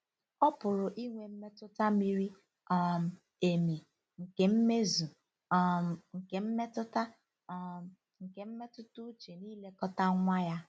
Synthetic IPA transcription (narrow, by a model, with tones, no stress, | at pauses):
ɔ˦pʊ˨ɾʊ˨ʔi˦ŋʷe˨m̩˦me˦tʊ˦ta˦mi˦ɾi˦ | ɔ˦˨m̩˨ | e˨mi˨ | ŋ̩˨ke˨m̩˦me˦zu˨ | ŋ̩˨ke˨m̩˦me˦tʊ˦ta˦ | ŋ̩˨ke˨m̩˦me˦tʊ˦tʊ˦t͡ʃe˨niː˦le˦kɔ˦ta˦ŋʷa˦ja˦